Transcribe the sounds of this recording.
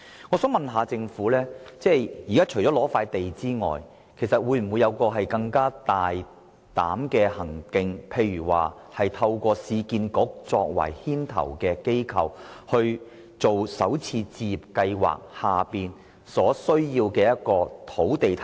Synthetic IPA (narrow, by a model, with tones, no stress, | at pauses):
ŋɔː˨˧sœː˨˥ŋmɐ˨nɦaː˨˧t͡sɪ˧ŋfuː˨˥lɛː˥t͡sɛː˥˩jiː˨kaː˥t͡ʃʰɵ˨˩ɥt͡sɔː˨˥lɔː˨˥faː˧jt̪e˨jt͡siː˥ŋɔ̰ː˨j | kʰe˨˩sɐ˨t̚wuː˨˧jm̩˨˩mwu˨˧jːɐ˨˧wkɔː˧ɦɐ˨jkɐ˧ŋkaː˥t̪aː˨j | t̪a̰ː˨˥mkɛː˧hɐ˨˩ŋkɪ˧ŋpʰe˧jɥyː˨˩wa̰ː˨˩ | hɐ˨jt̪ʰɐ˧wkʷɔː˧siː˧kiː˧nkʊ˨˥k̚t͡sɔː˧k̚wɐ̰˨˩jhiː˥nt̪ʰɐ̰˨˩wkɛː˧ke˥jkʰɐ̰˨whɵ˧ɥ | t͡so˨wsɐ̰˨˥wt͡sʰiː˧t͡siː˧ji˨˩p̚kɐ˧jwa̰ː˨k̚haː˨piː˨n | sɔː˨˥sɵ˥ɥjiː˧wkɛː˧jɐ˥t̚kɔː˧t̪ʰo˨˥wt̪e˨jt̪ʰ